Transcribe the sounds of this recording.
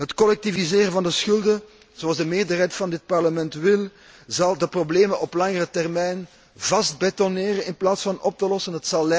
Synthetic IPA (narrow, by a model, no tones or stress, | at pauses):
ɦətkɔlɛk̚tivizɪːrəvɑndəsxʏlˠdə | zoɑlˠzdəmeːrdərɦɛjtfɑndɪt̚pɑrləmɛntwɪlˠ | zɑlˠdəprobleːmənʔɔplɑŋərətɛrmɛjn | vɑst̚bɛtɔneːɾənɪnplaːtsfɑnɔp̚təlɔsənɦətsɑlːɛ